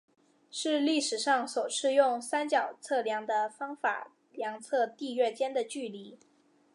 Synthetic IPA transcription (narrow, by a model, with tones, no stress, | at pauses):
ʂɻ̩˥˧li˥˩ʂɻ̩˨˩ʂɑ˥˩ŋswɔ˨˩ʂʰɻ̩˥˧jʊ˥˩ŋsa˥nt͡ɕjɑ˨˩ʊt͡sʰɤ˥˩ljɑ˧˥ŋd̪ə˧fɑ˥ŋfa̰˨˩˦ | ljɑ˧˥ŋt͡sʰɤ˥˧t̪i˥˧ɥɛ˥˩t͡ɕjɛ˥nd̪ə˨t͡ɕy˥˩li˧˥